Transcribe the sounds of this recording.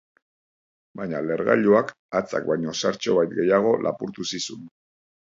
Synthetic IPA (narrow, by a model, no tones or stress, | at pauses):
bajɲale̞ɾɣa̰ʎuak | at͡sa̰k̚bajɲo̞saɾt͡ʃo̞βajt̪̚ɡe̞jaɣ̞o̞lʔa̰puɾt̪usisun